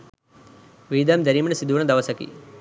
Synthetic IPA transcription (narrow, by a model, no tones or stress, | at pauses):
ʋiːd̪ɐmd͡ʒɐɾimɐɳɐsid̪uːɳɐd̪ɐʋɐsɐkḭ